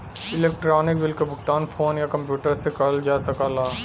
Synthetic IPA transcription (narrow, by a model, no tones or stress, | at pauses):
ɪleːk̚ʈɾaːnɪkbɪlkebʱʊkt̪aːnfʰoːnjakɐ̃mpjuːʈəɾsekɐld͡ʒaːsɐkaːlaː